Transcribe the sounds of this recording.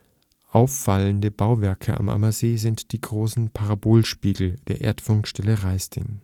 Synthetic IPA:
ʔaʊfːaləndəbaʊvɛɐkʰəa̰mʔa̰mɐzeːzɪntd̥iːɡʁoːsn̩pʰaʁaboːlʃpiːɡl̩d̥eːɐʔḛːɐtfʊŋkʃtɛləʁaɪstʰɪ̰ŋ

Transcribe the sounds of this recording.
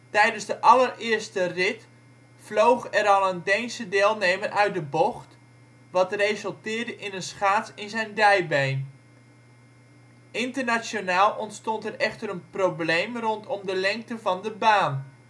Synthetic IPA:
tɛjdənzdəʔɑlərɪːrstərɪt | flowχɛɾɑlˠəndejnsədɪːlˠnejmərʔœɥ̚dəbɔχt | ʋɑtrejzəlˠtɪːrdəʔɪnənsχaːtsɪnzɛjndɛjbejn | ʔɪntərnasonaːlˠʔɔntstɔntɛrɛχtəɾənprowblejmrɔntʰɔmdəlɛŋk̚təvɑndəbaːn

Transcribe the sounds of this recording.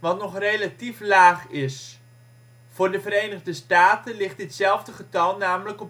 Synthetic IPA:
ʋɑntnɔχrejlatiflaːχɪs | fʊːɹdəvəɾejnəʁdəstaːtənlɪχtətsɛlˠvdəχətɑlˠnaːmələkɔp

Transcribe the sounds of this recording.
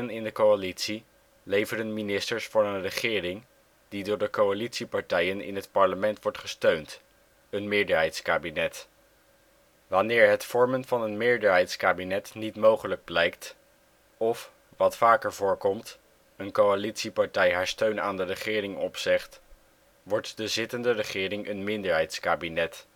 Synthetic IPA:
ənɪndəkowalitsi | lejvəɾənminɪstəɹsfʊːɹənrəχɪːrɪŋ | didʊːɹdəkowalitsipɑɹtɛjənɪ̰nɦətpɑɹləmɛntʋɔɹtχəstøɥnt | ənmɪːɹdəɹɦɛjtskaːbinɛt | ʋɑnɪːɹɦətfɔɹmənvɑnənmɪːɹdəɹɦɛjtskaːbinɛtnitmowχələɡ̚blɛjkt | ɔf | ʋɑtfaːkəɹvʊːɹkɔmt | ənkowalitsipɑɹtɛjɦaːɹstøɥnaːndərəχɪːrɪŋɔpsɪχt | ʋɔɹtdəzɪtəndərəχɪːɾɪŋʔənmɪndəɹɦɛjtskaːbinɛt

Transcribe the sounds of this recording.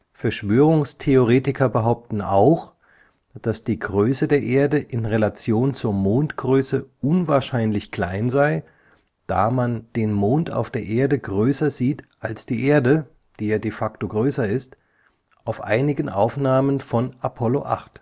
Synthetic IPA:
fɛɐʃv̥øːʁʊŋstʰeoʁ̞eːtɪkɐbəɦaʊp̚tn̩a̰ʊx | d̥asd̥iːɡʁøːsədeːɐʔeːɐdəʔɪnʁelat͡sjoːnt͡suːɐmoːntɡ̥ʁøːsəʔʊnvaːɐʃaɪnlɪçkl̥a̰ɪnzaɪ | d̥a̰ːmand̥eːnmoːnta̰ʊfd̥eːɐʔeːɐdəɡʁøːsɐziːtʔalsd̥iːʔeːɐdəd̥iːjaːdefaktoɡʁøːsɐɪst | ʔaʊfʔa̰ɪnɪɡənʔa̰ʊfnaːmənfɔnapʰɔloʔa̰χt

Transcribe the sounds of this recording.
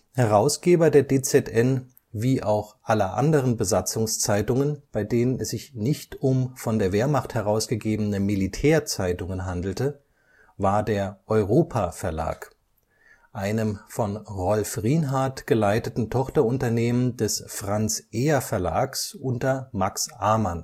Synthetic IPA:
hɛʁ̞aʊsɡ̥eːbɐdeːɐdeːt͡sɛtʔɛn | viːʔaʊxʔalɐʔa̰ndəʁ̞ənbəzat͡sʊŋst͡saɪtʊŋənb̥aɪdeːnənɛsz̥ɪçnɪçtʊmfɔndeːɐveːɐmaχthɛʁ̞aʊsɡ̥əɡeːbənəmilitʰɛːɐt͡saɪtʊŋənɦandl̩tə | vaːɐdeːɐʔɔʏʁoːpʰafɛɐla̰ːk | ʔaɪnəmfɔnʁɔlfʁiːnɦaɐtɡ̥əlaɪtətn̩tʰɔχtɐʊntɐneːməndɛsfʁ̥ant͡sʔeːɐfɛɐla̰ːksʔʊntɐmaksʔaɐman

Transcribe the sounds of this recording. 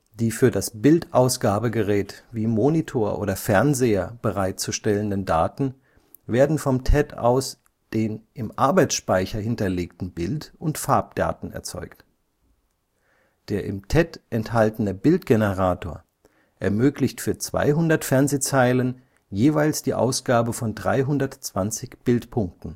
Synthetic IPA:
d̥iːfyːɐdasb̥ɪltʔaʊsɡ̥aːbəɡəʁɛːtviːmonitʰoːɐʔo̰ːɾɐfɛɐnzeːɐb̥əʁaɪt̚t͡suʃtɛləndənda̰ːtn̩ | veːɐdn̩fɔmtʰɛtʰa̰ʊs | d̥eːnʔɪmʔaɐbaɪt͡ssʃpaɪçɐɦɪntɐleːktn̩bɪltʔʊntfaɐp̚d̥a̰ːtn̩ɛ̰ɐt͡sɔ̰ʏkt | d̥eːɐʔɪ̰mtʰɛtʔɛnthaltənəbɪltɡ̥enəʁaːtʰoːɐ | ʔɛɐmøːklɪçtfyːɐt͡sv̥a̰ɪɦʊndɐtfɛɐnzeːt͡saɪlən | jeːvaɪlsd̥iːʔa̰ʊsɡ̥aːbəfɔndʁa̰ɪɦʊndɐtt͡sv̥ant͡sɪçb̥ɪltpʰʊŋk̚tn̩

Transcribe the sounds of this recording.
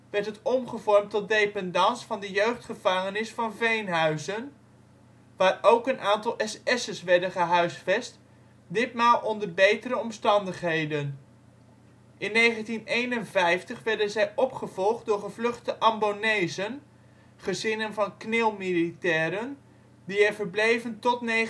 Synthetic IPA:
ʋɛɹtɦətɔmχəvɔɹmtɔt̚dejpɛndɑnsfɑndəjøɥχtχəv̥ɑŋənɪsfɑnvejnɦœɥzən | ʋaːrowkənʔaːntɑlˠʔɛsɛsəsʋɛɹdənχəɦœɥsfɛst | dɪtmaːlˠʔɔndəɹbejtəɾəɔmstɑndəχɦejdən | ʔɪnːejχəntinejnənvɛjftəχʋɛɹdənzɛjʔɔpχəvɔlˠχt̚dʊːɹχəvlɵχtəʔɑmbonejzən | χəzɪnənvɑnknɪlˠmilitɛːɾən | diɛvəɹblejvəntɔtne

